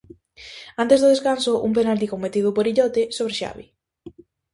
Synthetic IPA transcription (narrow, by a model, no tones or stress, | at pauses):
ant̪ezðʊð̞eskansoʔṵmpenalt̪̬ikomet̪iðʊpoɾiʎɔt̪esoβ̞ɾeʃa̰βi